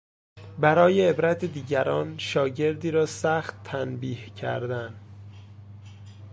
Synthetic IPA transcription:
bæɾɒːjeːbɾæt̪ʰed̪iːɟæɾɒːnʃɒːɟe̞ɾd̪iːɾɒːsæxt̪ʰːænbiːhcʰæ̰ɾd̪æn

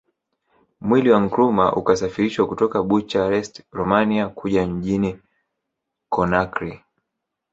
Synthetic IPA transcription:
mwiliwaŋ̩kɾuma̰ʔṵkasafiɾiʃwakutɔkaɓut͡ʃaɾɛstɾɔmaniakʰuʄam̩ʄini | kɔnakɾi

